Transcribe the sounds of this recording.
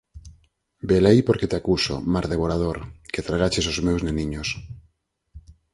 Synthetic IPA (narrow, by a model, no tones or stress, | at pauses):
belejpoɾket̪akuso̰maɾðeβoɾað̞oɾket̪ɾaɣ̞at͡ʃes̬ozmewzneniɲos